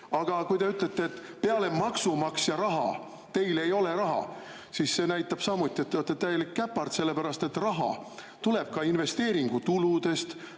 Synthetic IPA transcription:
ɑɡ̥ɑkujt̪e̞yt̪ˑlet̪ːˑeːt̪ːˑpe̞ɑle̞mɑksumɑksjɑɾɑɦɑ̰ | t̪e̞jle̞jo̞le̞ɾɑɦɑ̰ | sisːe̞næjt̪ːˑɑb̥sɑmut̪ʲːˑiet̪ːɑt̪ːˑet̪ːæje̞likːæpːɑrt̪se̞lːe̞pæɾɑst̪e̞t̪ːrɑɦɑ̰ | t̪ule̞b̥̚kɑinve̞st̪e̞ːɾiŋɡ̥ut̪ulud̪e̞st̪

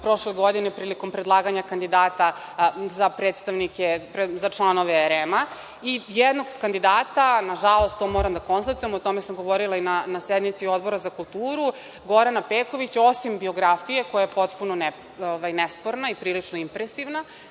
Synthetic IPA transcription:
pɾo̞ʃleɡo̞d̪inepɾiːliko̞mpɾed̪lˠaːɡaɲakand̪id̪aːt̪azapɾet̪st̪aʋnikepezat͡ʂlˠano̞ʋeeɾema | ijed̪no̞ɡkːand̪id̪aːt̪anaʒalˠo̞st̪t̪ːo̞mo̞ɾamd̪ako̞nst̪at̪uje̞mot̪o̞mesamɡo̞ʋoɾilˠainanased̪nit̪sio̞d̪̚bo̞ɾazakulˠt̪uːɾu | ɡo̞ɾanapeːko̞ʋit͡ɕaosimbio̞ɡɾafije̞ko̞jajepo̞t̪punone | oʋajnespoɾnaipɾiːlit͡ʂnoimpɾesiʋna

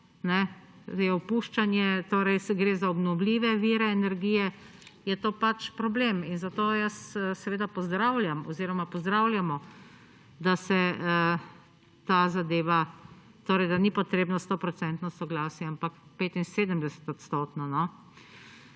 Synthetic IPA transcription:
nɛ | jɛɔpuːʃt͡ʃanjɛt̪oːɾɛjsɡɾeːzaɔbnɔwlʲiːʋɛʋiːɾɛːnɛɾɡiːjɛ | jɛt̪oːpat͡ʃpɾɔbleminzat̪oːjəssɛʋeːd̪apɔzd̪ɾawlʲjamɔziːɾɔmapɔzd̪ɾawljamɔ | d̪asɛə | t̪azad̪eːʋa | t̪oːɾɛjd̪anipɔt̪ɾeːbnast̪opɾɔsɛnt̪nɔsɔɡlaːsjɛampakpeːt̪inseːd̪əmd̪ɛsɛ̥t̪ot̪st̪oːt̪nɔnɔ

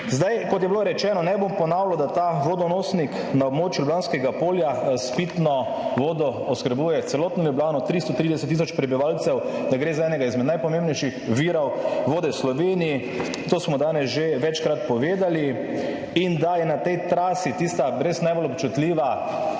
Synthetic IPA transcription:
zd̪ajkɔt̪̬jɛbiloɾɛt͡ʃɛːnɔnɛbompɔnaːwlɔd̪at̪aʋod̪ɔnoːsnik | naobmoːt͡ʃjulublanskɛɡapoːljaspit̪nɔ | ʋoːd̪ɔɔskəɾbuːjɛt̪sɛlɔːt̪nɔlublaːnɔt̪ɾist̪ɔt̪ɾid̪ɛsɛt̪ːisɔt͡ʃpɾɛbiʋalt̪sɛwd̪aɡɾeːzaɛnɛɡaizmɛd̪najpɔmẽmbnɛjʃixʋiːɾɔwʋoːd̪ɛwslɔʋeːniji | t̪oːsmɔd̪aːnɛsʒeʋɛt͡ʃkɾat̪pɔʋeːd̪ali | ind̪ajɛnat̪ɛjt̪ɾaːsit̪ist̪abɾesnajbolɔpt͡ʃut̪liːʋa

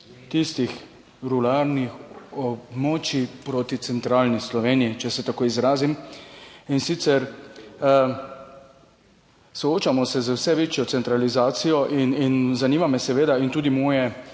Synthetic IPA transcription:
t̪ist̪ix | ɾulaɾnixɔbmɔːt͡ʃipɾot̪it̪sɛnt̪ɾaːlnislɔʋeːnijit͡ʃɛsɛt̪akoːizɾaːzim | insit̪sɛɾ | sɔoːt͡ʃamɔsɛzəwsɛʋeːt͡ʃjɔt̪sɛnt̪ɾalizaːt̪sijɔʔininzaniːmamɛsɛʋeːd̪aint̪uːd̪imɔːjɛ

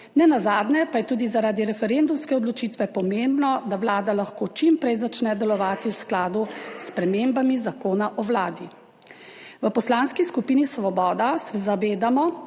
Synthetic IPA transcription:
nɛnazaːd̪nɛpajɛt̪uːd̪izaɾaːd̪iɾɛfɛɾend̪umskɛɔd̪lɔt͡ʃiːt̪ʋɛpɔmembnɔd̪awlaːd̪alaxkot͡ʃimpɾɛjzat͡ʃnɛd̪ɛlɔʋaːt̪iwsklaːd̪uspɾɛmembamizakoːnaʔɔʋlaːd̪i | ʋəpɔslanskiskupiːnisʋɔbɔːd̪asɛzaʋeːd̪amɔ

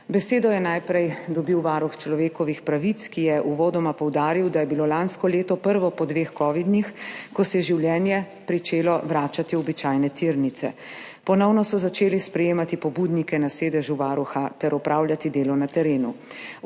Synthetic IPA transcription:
bɛseːd̪ɔjɛnajpɾɛjd̪ɔbiwʋaːɾuxt͡ʃlɔʋeːkɔʋixpɾaʋit̪skijɛʔuʋɔːd̪ɔmapɔwd̪aːɾiwd̪ajɛbiloːlanskɔleːt̪ɔpəɾʋɔpɔd̪ʋeːxkɔːʋid̪nixkɔsɛjɛʒiwljɛnjɛ | pɾit͡ʃeːlɔʋɾaːt͡ʃat̪iɔbit͡ʃajnɛt̪iɾnit̪sɛ̰ | pɔnɔwnɔsɔzat͡ʃeːlispɾɛjeːmat̪ipɔbud̪nikɛnaseːd̪ɛʒuʋaːɾuxat̪ɛɾɔpɾaːwljat̪id̪eːlɔnat̪ɛɾeːnṵ

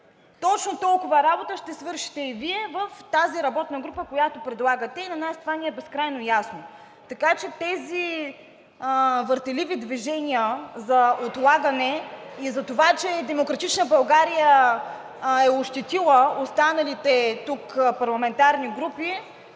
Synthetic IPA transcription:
t̪ɔt͡ʃnot̪ɔlˠkʊvəɾabot̪əʃt̪ɛsvɤɾʃi̥t̪ɛiviɛvəft̪aziɾɐbɔt̪nɐɡɾupəkojat̪opɾɛd̪lˠaɡət̪ɛinɐnast̪ovanʲiɛbɛskɾajnojasno | t̪ɐkat͡ʃɛt̪ɛzi | vəɾt̪ɛlivid̪viʒɛnʲiəzɐot̪lˠaɡɐnɛizɐt̪ovat͡ʃɛd̪ɛmokɾɐt̪it͡ʃnəbɐlˠɡaɾijə | ɛoʃt̪ɛt̪ilˠəost̪anɐlit̪ɛt̪ukpɐɾlˠɐmɛnt̪aɾniɡɾupi

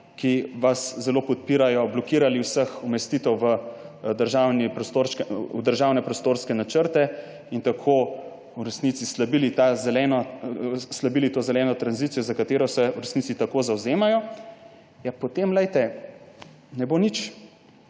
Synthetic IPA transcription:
kiʋaszɛlopɔt̪̚piːɾajɔblɔkiːɾaliwsəxumɛst̪it̪ɛwʋəd̪əɾʒaːwnipɾɔst̪oɾskud̪əɾʒaːwnɛpɾɔst̪oɾskɛnat͡ʃəɾt̪ɛ | int̪akʰo | uɾɛsnit̪sislabilit̪azɛlɛnɔ | slabilit̪oːzɛlɛːnɔt̪ɾanzit̪sijɔzakat̪eːɾɔsɛuɾɛsnit̪sit̪akozawzeːmajɔ | japɔt̪emlɛjt̪ɛ | nɛbonit͡ʃ

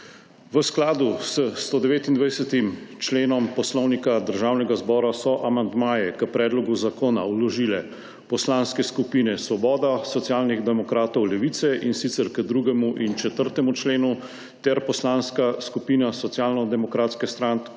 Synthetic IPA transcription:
ʋəsklaːd̪usəst̪od̪ɛʋeːt̪ind̪ʋajsɛt̪imt͡ʃleːnɔmpɔslɔwnikad̪əɾʒaːwnɛɡazbɔːɾasɔʔamand̪maːjɛkəpɾɛːd̪lɔɡuzakoːnawlɔʒiːlɛ | pɔslanskɛskupiːnɛsʋɔbɔːd̪asɔt̪jaːlniɣd̪ɛmɔkɾaːt̪ɔwlɛʋit̪sɛʔinsit̪sɛɾkəd̪ɾuɡɛmuʔint͡ʃɛt̪əɾt̪ɛmut͡ʃleːnu | t̪ɛɾpɔslanskaskupiːnasɔt̪sjaːlnɔd̪ɛmɔkɾaːt̪skɛst̪ɾan

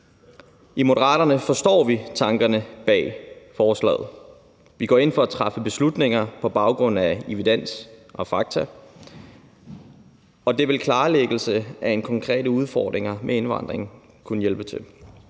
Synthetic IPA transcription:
ʔimo̝ɾɐʁɑ̰̈ːɾɐnəfɒ̽sd̥ɒ̰ːʋit͡sʰɑ̈ŋɡ̥ɐnəb̥ɛ̰ːfɒːslɛ̰ːð̩ˠ | ʋiɡ̥ɒ̰ːe̝nfɒ̽æt͡sʰʁɑfəb̥e̝slud̥ne̝ŋɐpʰɒ̽b̥ɑ̈ʊɡ̥ʁɔ̽n̰æiʋid̥en̰sʔɒ̽fɑ̈ɡ̥̚t͡sʰæ | ɒ̽d̥e̝ʋe̝lkʰlɑ̈ːleɡ̥l̩səæe̝nkʰɒ̽ŋkʰʁɛ̰ːɾəuð̞ˠfɒːd̥ʁeŋɐmʔee̝nʋɑ̈n̰d̥ʁeŋn̩ | kʰunəjelb̥ət͡sʰe̝l

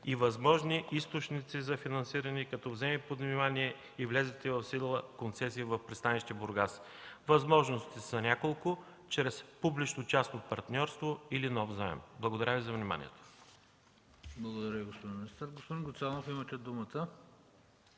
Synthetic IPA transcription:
ivɐzmɔʒniist̪ot͡ʃnit̪sizɐfinɐnsiɾɐnikɐt̪ɔvzɛmɛpod̪nimaniɛ | ivlʲɛzɛt̪ɛvɐfsid̪lˠəkont̪sɛs̬iːvɐfpɾɛtst̪aniʃt̪iboɾɡas | vɐzmɔʒnost̪isɐnʲakolˠkʊ | t͡ʃɾɛspublit͡ʃnot͡ʃast̪opɐɾt̪nʲɔɾst̪voilinɔvzaɛ̰mblˠɐɡod̪ɐɾʲavizɐvnima̰nʲḭɛ̰t̪o̥ | blˠɐɡod̪ɐɾəviɡospod̪inmnist̪əɾɡospod̪inɡʊt̪sanofimɐt̪ɛd̪umət̪ə

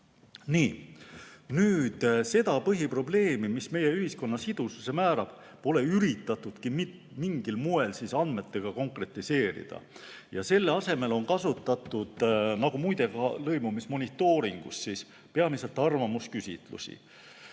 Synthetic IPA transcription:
niː | nyːd̪̥se̞d̪ɑpɤɦipro̞ble̞ːmimisme̞je̞yɦisko̞nːɑsid̪̥ususe̞mæːɾɑb̥ | po̞le̞yɾit̪ːˑɑt̪ːˑud̪̥kimit̪ | miŋɡ̥ilmue̞lsisɑnd̪̥me̞t̪ːe̞ɡ̥ɑko̞ŋkre̞t̪ːˑise̞ːɾḭd̪̥ɑ̰ | jɑse̞lːeɑse̞me̞lo̞nkɑsut̪ːˑɑt̪ːˑud̪̥nɑɡ̥umujd̪̥e̞ɡɑlɤjmumismo̞nit̪ːˑo̞ːɾiŋɡ̥ṵsːis | peɑmise̞lt̪ːˑɑrvɑmuskysʲḭt̪lṵsḭ

